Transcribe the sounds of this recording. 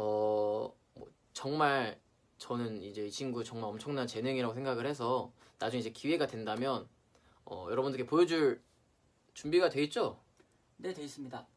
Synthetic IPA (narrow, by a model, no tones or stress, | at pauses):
ʌ | mʌ̰ | t͡ɕʌŋmaɭ | t͡ɕʌnɯnid͡ʑe̞it͡ɕʰinɡut͡ɕʌŋmaɾʌmt͡ɕʰʌŋnant͡ɕe̞nɯŋiɾaɡosʰeŋɡaɡɯɭhe̞s̬ʰʌ | nad͡ʑuŋid͡ʑe̞kiweɡadwe̞ndamjʌn | ʌ̰jʌɾʌbundɯɾɡepojod͡ʑuɭ | t͡ɕumbiɡadwe̞it̚t͡ɕ͈o | ne̞dwe̞is͈ɯmɲida